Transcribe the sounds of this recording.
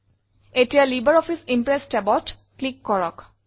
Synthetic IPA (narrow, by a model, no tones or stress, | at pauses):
etijalibəɹɔpʰisimpɹesʈɛbɔt | klikːɔɹɔk